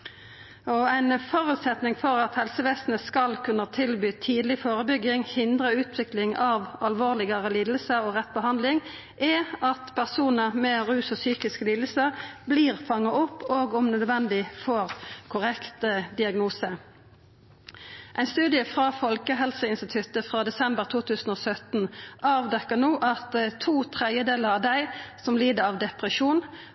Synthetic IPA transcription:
ɔæɪnfɔʁʉt̪sɛt̪nɪŋfɔʁɑt̪hɛlsəʋeːsnəskɑlkʰʉnːət̪ʰɪlbyːt̪ʰiːd̪lɪfoːʁəbʏɡɪŋhɪnd̪ʁəʉːt̪ʰʋɪklɪŋɑʋɑlʋoːʁlɪɡəʁəliːd̪əlsəoːʁɛt̪ːbəɦɑnd̪lɪŋ | ʔɛɑt̪pʰæʁsuːnəʁmɛːʁʉːsɔsyːkɪskəliːd̪l̩səʁbliːʁfɑŋːɑʔɔpːoːɡɔmnœd̪ʋɛnd̪ɪfɔʁkʰʊʁɛkt̪əd̪ɪɑɡnuːsə | ʔæɪnst̪ʉːd̪ɪəfʁɑːfɔlkəɦɛlsəɪnst̪ɪt̪ʰʉt̪əfʁɑːd̪ɛsɛmbəʁt̪ʰuːt̪ʰʉːsən̩ɔːsœt̪nɑːʋd̪ɛkːənuːʔɑt̪t̪ʰuːt̪ʰʁɛd̪jəd̪eːləʁɑʋd̪æɪsɔmliːd̪əɾɑʋd̪ɛpʁəʃuːn

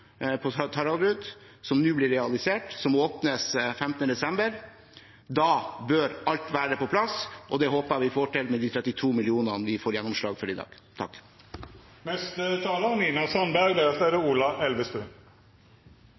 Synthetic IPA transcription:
pʰɔt̪ʰɑɾɑɾʉd̪ | sɔmnʉːblɪɾɛɑlɪseːʈsɔmoːpnəsfɛmt̪ənəd̪ɛsɛmbəɾ | d̪ɑːbœɾʔɑlt̪ʋæːɾəpɔpʰlɑsʔɔd̪ɛɦoːpəʋɪfoːʈʰɛlmɛd̪iːt̪ʰɾɛt̪ːɪt̪ʰuːmɪlɪuːnɑnəʋɪfoːɾjɛnːɔmʂɭɑːɡfɔɾɪd̪ɑ̰ːɡ̥ | t̪ʰɑk | nɛst̪ət̪ʰɑːləniːnɑsɑnbæɡb̪ɛɑsæɾəuːlɑʔɛlʋəst̪ʉː

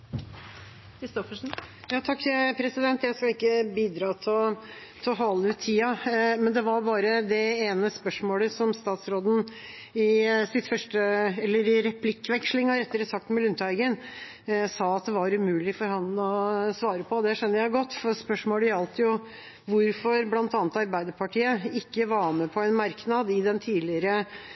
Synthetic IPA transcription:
kʰɾɪst̪ɔfəʂn̩ | jɑːt̪ʰɑkːpʰɾɛsɪd̪ɛnt̪jæɪskɑlɪkːəbiːd̪ɾɑːt̪ʰɪl | t̪ʰɔɦɑlːəʉːt̪ʰːiːɑmɛnd̪ɛʋɑɾbɑːɾəd̪ɛeːnəspœʂmoːləsɔmst̪ɑːt̪sɾoːd̪n̩ | ɪsɪt̪fœʂʈəɛlːəɾɪɾɛpʰlɪkːʋɛkʂlɪŋɑɾɛt̪ːəɾəsɑk̚t̪mɛlʉnt̪æɪɡən | sɑːɑt̪̚d̪ɛʋɑɾʉmʉːlɪfɔɾhɑnɔsʋɑːɾəpʰɔd̪ɛʂɛnːəɾjæɡɔt̪ːfɔspœʂmoːləjɑlt̪əjʊ | ʋʊɾfɔɾblɑnt̪ɑːnət̪ɑɾbæɪd̪əɾpʰɑʈʰiːəɪkːəʋɑːmɛpʰɔɛɪnmɑɾknɑd̪ɪd̪ɛnt̪ʰiːlɪəɾə

